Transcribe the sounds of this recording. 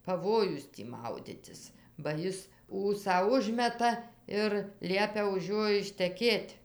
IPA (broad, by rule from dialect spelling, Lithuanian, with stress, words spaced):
pɐˈʋoːjʊs tʲiː ˈmɐʊdʲɪtʲɪs bɐ ˈɪs ˈuːsɑː ˈʊʒʲmʲɛtɐ ɪr ˈlʲiɛpʲɛ ʊʃ ˈjoː ɪʃʲtʲɛˈkʲeːtʲ